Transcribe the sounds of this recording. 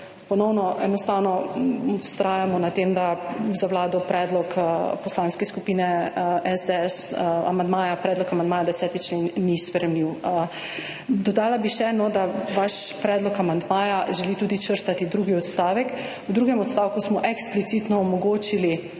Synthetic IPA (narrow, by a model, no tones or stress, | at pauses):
pɔnɔwnɔʔɛnɔst̪awnɔ | st̪ɾaːjamɔnat̪emd̪azawlaːd̪ɔpɾɛːd̪lɔkpɔslaːnskɛskupiːnɛɛzd̪eɛsa̰mand̪maːjapɾɛːd̪lɔkamand̪maːjad̪ɛsɛːt̪it͡ʃlenːispɾɛmliw | d̪ɔd̪aːlabiʃɛnɔd̪aʋaʃpɾɛːd̪lɔkamand̪maːjaʒɛlit̪uːd̪it͡ʃəɾt̪at̪id̪ɾuːɡiɔt̪st̪aːʋɛk | wd̪ɾuːɡɛmɔt̪st̪aːwkusmɔʔɛksplit̪sit̪nɔːmɔɡoːt͡ʃili